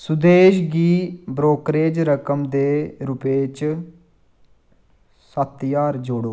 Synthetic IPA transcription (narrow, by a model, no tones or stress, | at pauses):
sʊd̪eːʃɡiːbɾoːkɾeːd͡ʒɾəkəmd̪eːɾʊpeːt͡ʃ | sət̪ːjaːɾd͡ʒoːɽoː